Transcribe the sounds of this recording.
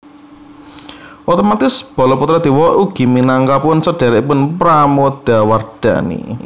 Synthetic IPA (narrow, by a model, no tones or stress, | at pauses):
ʔot̪ɔmat̪ɪsb̥ɔ̤lɔput̪ɾad̪̥i̤wɔʔuɡ̥i̤minaŋkapʊnsəɖ̥a̤ɾaipʊnpɾamod̪̥a̤ward̪̥a̤̰nḭ